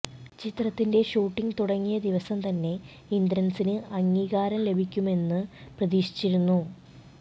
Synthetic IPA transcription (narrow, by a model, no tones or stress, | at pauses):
t͡ɕit̪rɐt̪ːinde̞ɕuːʈːiŋt̪uɽɐŋːijɐd̪iʋɐsɐmt̪ɐnːe̞ | ind̪ɾɐnsinɨʔɐŋːiːɣaːɾɐmle̞bʱikʲːume̞nːɨprɐðiːʂi̥t͡ɕːiɾunːu